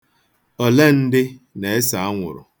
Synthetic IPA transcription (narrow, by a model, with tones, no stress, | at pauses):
o˨le˦n̩˦dɪ˦ne˨e˦sa˨a˦ŋʷʊ̰˨ɾʊ̰˨